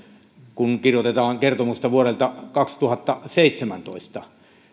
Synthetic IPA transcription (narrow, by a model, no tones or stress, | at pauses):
kunkirjot̪et̪ɑːŋkert̪omust̪ɑʋuorelt̪ɑkɑkst̪uhɑt̪ːɑseˑit̪semænt̪o̰ˑist̪ɑ